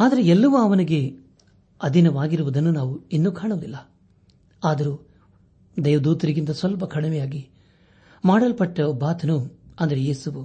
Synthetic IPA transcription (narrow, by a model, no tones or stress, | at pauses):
aːd̪ɐɾeɛlːɐʋuɐʋɐniɡe̞ | ɐd̪ʱinɐʋaːɡiɾuʋud̪ɐnːunaːʋuinːuːkaːɳuʋɐd̪ilːɐ | aːd̪ɐɾuː | d̪ɛːʋɐd̪uːt̪ɐɾiɡint̪ɐsʋɐlp̬ɐkʰɐɽimɛjaːɡi | maːɽɐlpɐʈːɐɔbʱaːt̪ʰɐnuɐnd̪ɐɾejeːsuʋu